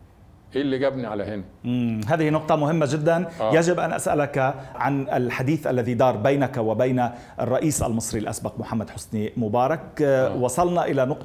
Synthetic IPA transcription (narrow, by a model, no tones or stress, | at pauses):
ʔeːlːiɡæbniʕa̰lahɪnʔmɦaːðɪhinʊq̚t̪ˤɑmʊɦɪmːaʒɪd̪ːanjaʒɪbʔa̰nʔa̰sʔa̰lakʕanalħad̪iːθʔalːaðid̪ɑːɾˤbajnakwɪbajna | ʔrˤːɑʔiːsʔa̰lmɨsˤɾilʔa̰sbaqmʊħamːad̪ħʊsnimʊbɑːɾˤɑkwɑsˤɑlnɑʔɪlanʊq̪